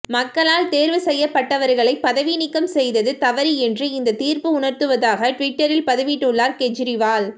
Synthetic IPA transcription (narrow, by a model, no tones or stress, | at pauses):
mɐkːɐɭaːlt̪eːɾʋɯsɛjːɐpːɐʈːɐʋɐɾɣɐɭɐɪpːɐðɐʋinɪkːɐmsɛjðɐðɯt̪ɐʋɐɾiɛndrɯɪnd̪ɐt̪iːɾpɯʊɳɐɾt̪ɯʋɐðaːɣɐʈʋɪʈːɐɾɪlpɐðɐʋiʈːɯɭːaːɾkɛt͡ʃɪɾɪʋaːl